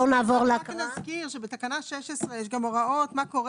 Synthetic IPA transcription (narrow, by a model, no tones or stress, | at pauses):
onaːvoʁlaknazkiʁʃebet̪akanaʃɛʃesʁejɛʃɡamoʁaot̪makoʁ